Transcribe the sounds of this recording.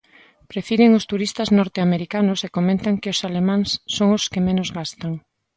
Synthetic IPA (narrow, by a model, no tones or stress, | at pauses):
pɾefiðeŋʊst̪uɾist̪ɐznɔɾt̪eameɾikanʊsekomẽnt̪aŋkɪosalemãŋsːoŋʊskɪmenozɣast̪aŋ